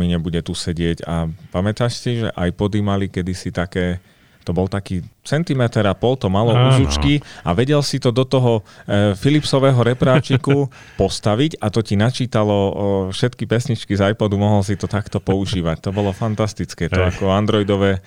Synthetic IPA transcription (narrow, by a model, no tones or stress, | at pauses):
miɲɛbuɟɛt̪usɛɟɪɛɟapamɛt̪aʃcɛʒɛ̰ʔajpɔd̪imalikɛd̪isit̪akɛː | t̪ɔbɔlt̪akiːt͡sɛnt̪imɛt̪ɛɾapɔlt̪ɔmalɔuʒut͡ʃkiaʋɛɟɛlsit̪ɔd̪ɔt̪ɔɦɔfilipsɔʋɛːɦɔɾɛpɾaːt͡ʃiku | pɔst̪aʋicat̪ɔcinat͡ʃiːt̪alɔfʃɛt̪kipɛsɲit͡ʃkizajpɔd̪umɔɦɔlsit̪ɔt̪akt̪ɔpɔuʒʒiːʋact̪ɔbɔlɔfant̪ast̪it͡skɛːt̪ɔakɔand̪ɾɔjd̪ɔʋɛː